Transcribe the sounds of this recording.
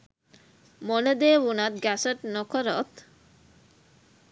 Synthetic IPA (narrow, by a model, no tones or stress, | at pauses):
moled̪eːunat̪̚ɡæsəʈnokoɾot̪